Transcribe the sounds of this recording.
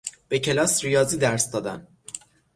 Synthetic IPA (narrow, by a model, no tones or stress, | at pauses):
b̥e̞cʰe̞lɒːsrijɒːziːd̪æɾsd̪ɒːd̪æ̰n